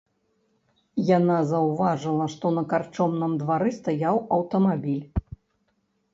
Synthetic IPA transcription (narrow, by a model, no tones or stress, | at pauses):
jan̪azɐwvaʐɨlˠɐʂt̪ɔnɐkart͡ʂɔmnɐmd̪vaɾɨst̪ajawɐwt̪ɐmabʲilʲ